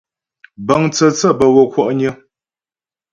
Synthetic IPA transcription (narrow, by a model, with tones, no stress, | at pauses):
bə˨ŋt͡sə˨t͡sə˦˨bə˨wə˨kwɔ˦˨ʔɲə˦